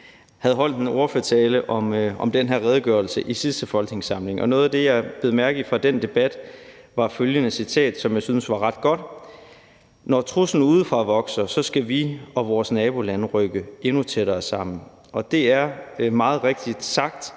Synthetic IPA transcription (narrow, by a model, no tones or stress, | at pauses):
hæð̞̩ˠɦɒ̽l̰d̥eno̝ːɐføɐt͡sʰɛːləʔɒ̽mɒ̽md̥enɦeɐ̰ʁɛð̞ˠɡ̥ɶɐl̩səʔisisd̥əfɒ̽lɡ̥ne̝ŋsɑ̈mle̝ŋʔɒ̽nɔ̽ːð̞̩ˠæd̥e̝jɑ̈ɪb̥e̝ːð̞̩ˠmæɐɡ̥ð̩ˠfʁɑ̈d̥end̥e̝b̥æd̥ | ʋɑ̈føljənəsit͡sʰɛ̰ːd̥sɒ̽mjɑ̈syːn̩sʋɑ̈ʁɑ̈d̥ɡ̥ɒ̽d̥ | nɒt͡sʰʁusn̩uːð̞ˠfʁɑ̈ʋɒ̽ɡ̥sɐsɒ̽sɡ̥æʋiɒ̽ʋɒːsnɛːb̥o̝lænʁœɡ̥əe̝nut͡sʰeɾ̥ɐːsɑ̈m̰n̩ | ʔɒ̽d̥e̝æɐmɑ̈ːð̞̩ˠʁeɡ̥̚d̥id̥sɑ̈ɡ̥̚d̥